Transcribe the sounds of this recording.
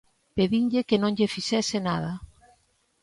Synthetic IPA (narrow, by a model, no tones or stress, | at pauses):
peðiŋʎɪkenõŋʎefisɛsɪnað̞a